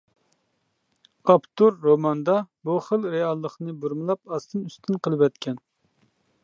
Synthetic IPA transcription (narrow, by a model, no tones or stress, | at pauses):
ɑpt̪uɾːomɑnd̪ɑbuχəlˠɾeɑlˠːəχnɨbuɾmɨlˠɑp̚ɑst̪ʰɨnyst̪ʰynqəlˠɨpɛt̪kʲʰɛn